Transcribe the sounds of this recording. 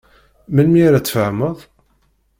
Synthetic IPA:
mənmiɾæt͡sːfəʕməðˤ

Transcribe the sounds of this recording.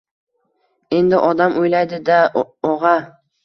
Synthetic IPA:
e̞nd̪ɪʔɒd̪amʔojlajd̪ɪd̪aɒʁɑ

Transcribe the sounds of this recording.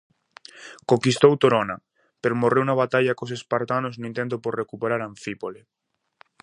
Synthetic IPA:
koŋkist̪owt̪oɾona | peɾomorewunaβ̞at̪aʎakosespaɾt̪anoznoint̪ent̪oporekupeɾaɾãɱfipole

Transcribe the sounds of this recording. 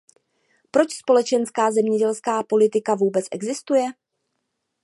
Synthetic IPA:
pɾo̞t͡ʃspo̞lɛt͡ʃɛnskaːzɛmɲɛɟɛlskaːpo̞lɪt̪ɪkavuːbɛt͡sʔɛ̰ɡzɪst̪ujɛ

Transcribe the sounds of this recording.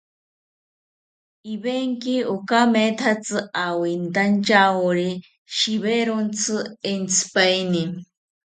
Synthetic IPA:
ibeŋkiokamet̪ʰat͡sɨʔawint̪ant͡ʃaoɾi | ʃiβeɾont͡sʰɨent͡sʰɨ̥pajni

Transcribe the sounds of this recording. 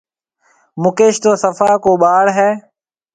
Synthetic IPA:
mʊkeːʃt̪oːsəfaːkoːɓaːɽɦɛː

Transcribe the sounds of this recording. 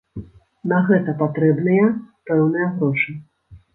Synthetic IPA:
nɐɣɛt̪ɐpat̪ɾɛbnɨjɐpɛwnɨjɐɣɾɔʂɨ

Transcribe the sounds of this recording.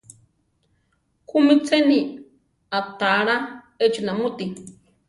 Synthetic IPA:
kʰumit͡seni | at̪aɾa | et͡ʃunãmut̪i

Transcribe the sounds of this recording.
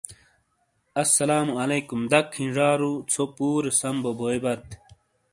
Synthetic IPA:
ɐsːɐlaːmuɐleːkumd̪ɐkʰːĩnʐaːɾut͡sʰopuːɾsɐmbobʱoːebɐt̪

